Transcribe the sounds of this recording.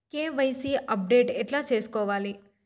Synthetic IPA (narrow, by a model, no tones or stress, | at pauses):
keʋəjsiʔɐp̚ɖeːʈeʈlat͡ʃeːskɔʋaːli